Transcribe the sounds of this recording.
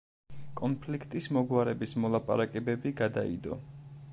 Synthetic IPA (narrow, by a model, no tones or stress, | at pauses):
kʼɔnpʰlikʰt̪ʼismɔɡwaɾɛbismɔlˠapʼa̰ɾakʼɛbɛbiɡad̪aḭd̪ɔ̰